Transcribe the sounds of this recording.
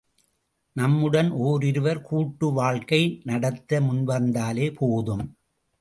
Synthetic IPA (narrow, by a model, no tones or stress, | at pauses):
nɐmːɯɽɐnʔoːɾɪɾɯʋɐɾkuːʈːɯʋaːɻkɐɪnɐɽɐt̪ːɐmʊnʋɐɾnd̪aːleːpʰoːðɯm